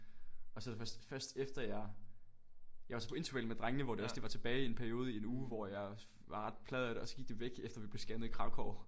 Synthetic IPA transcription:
ɒ̽sɒ̽d̥fɶsd̥fɶɐsd̥efd̥ɐjɑ̈ɪ | jɑɪʋɑ̈sɒ̽pʰɒ̽e̝nt͡sʰuʋælmed̥ʁaŋənəʋɒd̥e̝ɒ̽sd̥e̝ʋɑ̈t͡sʰe̝b̥ɛːɪie̝npʰæɐio̝ːð̞ˠie̝nuːʋɒjɑ̈ɪ | ʋɑ̈ʁɑ̈d̥̚pʰlɛːð̞ˠæɾeɒ̽sɒ̽ɡ̥iɡ̥̚d̥e̝ʋeɡ̥efd̥ɐʋib̥le̝sɡ̥ænəikʰʁɑ̈ʊkʰɒː

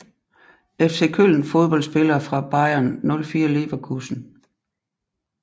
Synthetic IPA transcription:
efse̝ːkʰøl̰n̩fo̝ðˠb̥ɒ̽l̰sb̥e̝lɐːfʁɑ̈b̥ɑ̈ɪɐnːɔ̽lfiːɐle̝ʋɐkʰusn̩

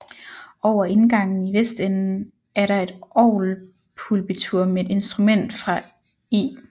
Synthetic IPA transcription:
ʔɒʊ̰ɐe̝nɡ̥ɑ̈ŋ̰n̩iʋesd̥enn̩ | æɐɾɑ̈e̝d̥ɒʊl | pʰulb̥it͡sʰuɐ̰meed̥e̝nsd̥ʁumen̰d̥fʁɑ̈ | ḭː

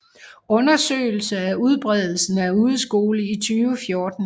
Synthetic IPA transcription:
ɔ̽nɐsø̰ːɪl̩səæuð̞ˠb̥ʁɛð̞̰ˠl̩sn̩æuːð̩ˠsɡ̥o̝ːləit͡sʰyːʊəfjo̝ːd̥n̩

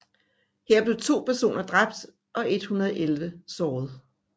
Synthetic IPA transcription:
heɐ̰b̥le̝t͡sʰo̝̰ːpʰæɐso̝̰ːnɐd̥ʁɑ̈b̥̚d̥ | ʔɒ̽ʔe̝d̥hunɐð̩ˠʔelʋəsɒːð̩ˠ

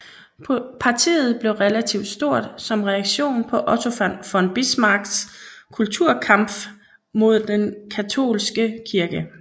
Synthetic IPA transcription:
pʰɑ̈t͡sʰḭːð̞̩ˠb̥le̝ʊʁelæt͡sʰiʊd̥sd̥o̝ɐ̰d̥sɒ̽mʁɛɑɡ̥ɕo̝̰ːnpʰɒ̽ʔɒ̽t͡sʰo̝fænfɒ̽nb̥ismɑ̈ɡ̥skʰult͡sʰuɐ̰kʰɑ̈m̰b̥ | mo̝ð̞̰ˠd̥enkʰæt͡sʰo̝̰ːlsɡ̥əkʰiɐɡ̥ə

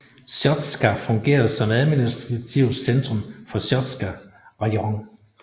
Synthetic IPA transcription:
sɒd̥sɡ̥æfɔ̽ŋɡ̥e̝̰ːɐð̩ˠsɒ̽mæð̩ˠminisd̥ɑt͡sʰiʊsend̥ʁɔ̽mfɒ̽sɒd̥sɡ̥æʁɑɒŋ

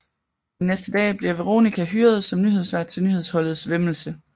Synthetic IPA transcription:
nesd̥əd̥ɛ̰ːb̥liɐ̰ʋeʁo̝̰ːnikʰæɦyːɐð̞ˠsɒ̽mnyɦesʋæɐd̥̚t͡sʰe̝lnyhe̝ðˠshɒ̽l̰ð̞̩ˠsʋeml̩sə

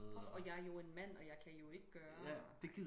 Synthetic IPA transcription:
ɒ̽jɑ̈ɪɐjo̝e̝nmæn̰ɒ̽jɑ̈ɪkʰæjo̝e̝ɡ̥əɡ̥ɶːɐd̥e̝ɡ̥iðˠ

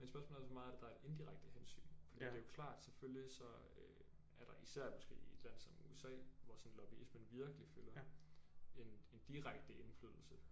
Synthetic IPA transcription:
mensb̥ɶɐsmo̰ːlæosɒmɑ̈ːð̩ˠɐæd̥ed̥ɑ̈ed̥e̝nd̥iʁaɡ̥̚d̥əɦensy̰ːnfɒ̽d̥iḭde̝æjo̝kʰlɑ̰̈ːd̥seføljisɒ̽ | ø | æɐɾ̥ɑ̈ʔisæɐ̰mɒ̽sɡ̥e̝̰ːe̝d̥læn̰sɒ̽mṵesɛ̰ːʋɒsɒ̽n̩lɒb̥iismənʋiɐɡ̥əlifølɐ | e̝ne̝nd̥iʁaɡ̥̚d̥əʔe̝nfly̰ðˠl̩sə

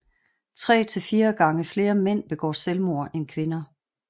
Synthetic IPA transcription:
t͡sʰʁɛ̰ːt͡sʰe̝lfiːɐɡ̥ɑ̈ŋəfle̝ːɐmen̰b̥e̝ɡ̥ɒ̰ːselmo̝ɐ̰ʔenkʰʋe̝nɐ

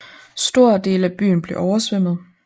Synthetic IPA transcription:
sd̥o̝ɐ̰d̥e̝ːləæb̥y̰ːn̩b̥le̝ʔɒʊɐsʋem̰ð̞̩ˠ

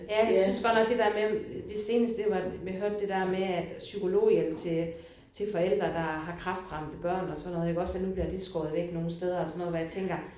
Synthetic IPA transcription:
jæjasynsɡ̥ɒ̥̽nɒ̽ɡ̥̚d̥e̝d̥æɐmed̥e̝se̝ːnəsd̥eʋɑ̈meɦøɐ̰d̥e̝d̥æɐmeæd̥sykʰo̝lo̝̰ːjel̰t͡sʰe̝ | t͡sʰe̝fɒ̽el̰d̥ʁɐd̥ɑ̈ɦɑ̈kʰʁɑ̈fd̥ʁɑ̈m̰d̥əb̥ɶɐ̰nɒ̽sɒ̽nːɔːðˠeɡ̥ɒ̽sænub̥liɐd̥e̥sɡ̥ɔ̽ːð̞̩ˠʋeɡ̥no̝ːn̩sd̥eð̞ˠɐɒsɒnːɔð̩ˠʋɒjɑ̈t͡sʰeŋɡ̥ɐ

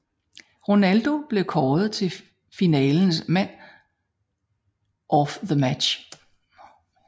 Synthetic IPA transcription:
ʁo̝næld̥o̝b̥le̝ʊkʰɒːð̩ˠt͡sʰe̝ | finɛːln̩smæn̰ | ʔɒfðəmæ̥ɕ

